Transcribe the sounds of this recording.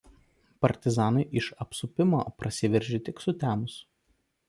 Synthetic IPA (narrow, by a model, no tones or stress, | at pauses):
pɐɾʲt̪ʲɪzɑːnɐɪʔɪʃɐpsʊpʲɪmo̰ːpɾɐsʲɪʋʲɛɾʲʒʲɪt̪ʲɪksʊt̪ʲæːmʊs